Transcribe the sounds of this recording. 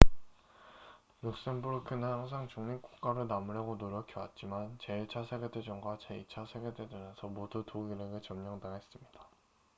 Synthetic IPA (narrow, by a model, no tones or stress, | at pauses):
juk̚s͈enbuɾkʰɯnɯnhaŋs̬ʰaŋt͡ɕuŋɲik͈o̥kk͈aɾɯnamuɾjʌɡonoɾjʌkʰiwat̚t͡ɕ͈imant͡ɕe̞it͡ɕʰasʰeɡedwed͡ʑʌŋɡwat͡ɕeit͡ɕʰasʰeɡedwedemjʌnsʰʌmodutoɡiɾeɡɯɭt͡ɕʌmɲʌŋdaŋɦes͈ɯmɲid̥a